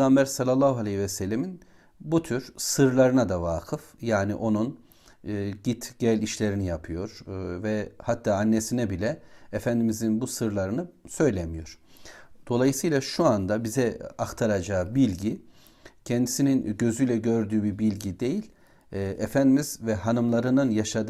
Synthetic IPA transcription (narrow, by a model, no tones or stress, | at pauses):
ɡambæɾsalʲːalˠːaːhualʲɛhivɛsɛlʲːemin | but̪ʰyɾsɯɾlˠaɾɯnad̪avaːkʰɯfjaːniʔo̞nunː | ɟit̪ɟ̥ɛlʲiʃlʲe̞ɾinijapʰɯjo̞ɾ̥vɛhat̪ʰːaːanːesinɛbilʲɛefænd̪imizinbusɯɾlˠaɾɯnɯsø̞jlʲemijo̞ɾ̥d̪̥o̞lˠajɯsɯjlˠaʃuand̪abizɛaxt̪ʰaɾad͡ʒaːbilʲɟi | cʰɛnd̪isininɟø̞zyjlʲɛɟø̞ɾd̪yːbibilʲɟid̪e̞jilʲː | ʔɛfænd̪imizvɛɦanɯmlˠaɾɯnɯnjaʃad̪